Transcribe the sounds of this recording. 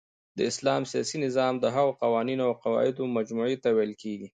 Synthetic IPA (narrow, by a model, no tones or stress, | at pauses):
d̪əɪslɑmsijɑ̰sinɪzɑmd̪əɦaɣoqawɑninoawqawɑ̰ɪd̪omad͡ʒmuʕet̪awɛjlkeɡi